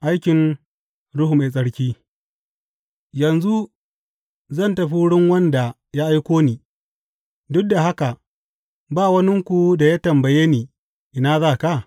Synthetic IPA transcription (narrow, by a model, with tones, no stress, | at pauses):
ʔa˦jkʲɪ˨n | ɽʊ˦hʊ˨me˨sʼɐ˦ɽkʲiː˦ | jɐ˨nzu˦ | zɐ˦˨ntɐ˨ɸi˦ɽɪ˦ŋwɐ˦nda˨ | ja˦ʔa˦jkʷoː˦niː˨ | dʊ˦k̚da˨ɦa˦ka˨ | baː˦˨wɐ˦nɪ˦ŋkʷu˨da˨ja˦tɐ˨mbɐ˨jeː˦niː˨ | ʔɪ˨naː˦zaː˦˨ka˦˨